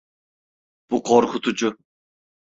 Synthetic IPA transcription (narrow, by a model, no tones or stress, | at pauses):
b̥uqʰoɾkʰʊt̪ʰud͡ʒʊ